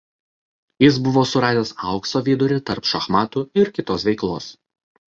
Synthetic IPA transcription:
jɪs̬bʊʋoːsʊɾɑːd̪ʲeːsɐˑʊksoːʋʲiːd̪ʊɾʲɪt̪ɐɾpʃɐxmɑːt̪uɪɾkʲɪt̪oːsʋʲɛɪklˠoːs

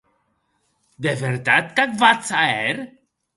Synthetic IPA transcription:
d̪evɛɾt̪at̪kakvatt͡saɛɾ

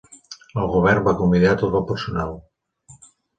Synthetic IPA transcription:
oɣoβɛɾmbakomiðeat̪oðopeɾsonaw

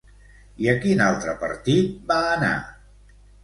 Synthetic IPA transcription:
iəkinalˠt̪ɾəpə̰ɾt̪it̪̚baːna̰

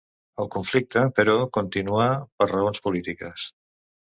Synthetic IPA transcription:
əlˠkuɱflik̚t̪əpəɾɔkunt̪inuapəɾrəonspulit̪ikəs

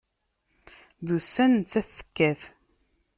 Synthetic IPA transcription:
ðusːænt͡sːæθːə̥kːæθ

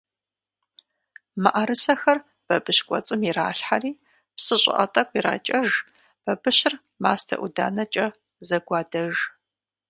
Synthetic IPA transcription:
maʔɐɾɨsɐxɐr | b̥ɐbɨɕkʷʼɔ̰t͡sʼɨmira̰ːɬħariː | psɨɕʼɪ̰ʔɐ̰tʼɐkʷʼiɾa̰ːt͡ʃʼɐʒ | b̥ɐbɨɕɪr | maːstʰɐ̰ʔuda̰ːnɐt͡ʃʼɐ | zɐɡʷɑːdɐʒ

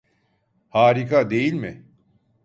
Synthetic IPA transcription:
haːɾikʰad̪e̞jilʲmɪ

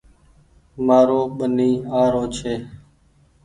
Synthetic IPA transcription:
maːɾoːɓəniːaːɾoːt͡ʃʰeː

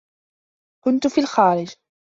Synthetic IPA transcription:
kʊnt̪ʊfiːlxaːɾɪd͡ʒ

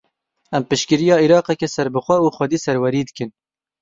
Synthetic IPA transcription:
ɛmpɨʃkɨɾijɑːiɾɑːqɛkɛsɛɾbɨxʷɛuːxʷɛd̪iːsɛɾwɛɾiːd̪ɨkɨn

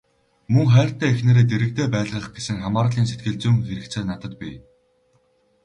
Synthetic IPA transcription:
mɵŋχæːr̥t̪ːæːexnĕːɾeːt̪eɾɘ̆k̚t̪eːpæːɮʁə̆χɡesɘ̆ŋχamaːɾə̆ɮiːns̬et̪ɡɘ̆ɮt͡suŋxeɾɘ̆kt͡sʰeːnat̪ə̆t̪pʲḭ

